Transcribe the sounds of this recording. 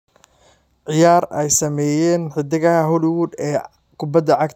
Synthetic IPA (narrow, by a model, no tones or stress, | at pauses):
ʕɪjaːrɛjsɐmɛːjɛːnħɪd̪ɪɣɐɦɐɦʊlɪwuːd̪ɛː | kʰʊbɐd̪ɐʕɑɡt